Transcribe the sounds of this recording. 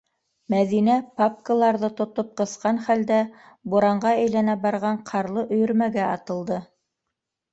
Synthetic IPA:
mæðinæpap̚kəlˠɑɾðɤt̪ŏt̪op̚qɤ̆sqɑnχæld̪æ | buɾɑɴɢɑæjlænæbɑɾʁɑɴqʰɑɾlˠɤʔɵ̆jɵ̆ɾmæɡæɑt̪ɤ̆lˠd̪ɤ

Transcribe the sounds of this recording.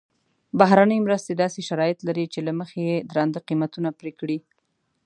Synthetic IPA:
baɦɾanəjmɾəst̪ed̪ɑseʃaɾɑjɪt̪laɾit͡ʃelaməxejed̪ɾɑnd̪əqimat̪unapɾekɽi

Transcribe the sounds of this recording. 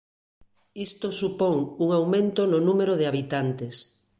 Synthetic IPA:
ist̪osupoŋuŋawmẽnt̪ononũmeɾoðeaβ̞it̪ant̪es

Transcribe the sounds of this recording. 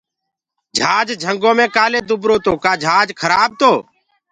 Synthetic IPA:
d͡ʒʱaːd͡ʒd͡ʒʱəŋɡõːmẽːkaːleːd̪ʊbɾoːt̪oːkaːd͡ʒʱaːd͡ʒkʰəɾaːb̚t̪oː

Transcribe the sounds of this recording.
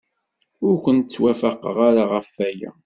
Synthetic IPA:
ʊɾkʷənt͡sːwæfaqə̰ʁaɾaʁəfːæjæ̰

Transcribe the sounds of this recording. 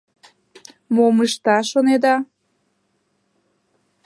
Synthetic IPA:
moməʃt̪ɑʃoned̪ɑ

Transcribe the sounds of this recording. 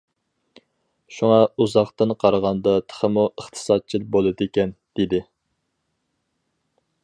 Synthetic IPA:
ʃuŋɑuzɑχt̪ɨnqʰɑɾʁɑnd̪ɑt̪ʰə̥χʰəmuəχt̪ʰɨ̥sɑd̪̚t͡ʃʰilbolˠɨd̪ekʲɛnd̪̥ed̪ɪ

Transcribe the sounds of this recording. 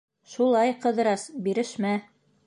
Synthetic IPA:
ʃulˠɑjqɤ̆ðɾɑsbiɾɘ̆ʃmæ

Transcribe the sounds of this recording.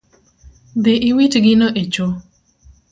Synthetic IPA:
d̪eʔɪwitɡɪnɔʔet͡ʃo

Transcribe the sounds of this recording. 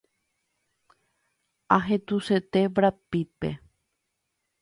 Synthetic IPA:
aɦet̪uset̪eʋɾapipḛ

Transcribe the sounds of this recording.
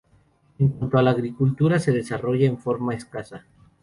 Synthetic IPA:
eŋkwant̪oalaːɣɾikult̪uɾase̞ðe̞saro̞ʝaeɱfo̞ɾmaeskasa

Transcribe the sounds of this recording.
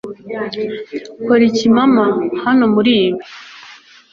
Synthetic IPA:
koɾicimamahano̞muɾiːβi

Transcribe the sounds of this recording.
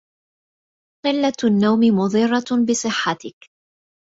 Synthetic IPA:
qɪlːanːawmɪmʊðˤɨrˤːɑbɪsˤɨħːat̪ɪk

